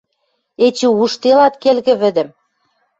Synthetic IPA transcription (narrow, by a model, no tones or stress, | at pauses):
et͡ɕuuʃt̪elɑt̪kelɣɘ̆βɘ̆d̪ɘ̆m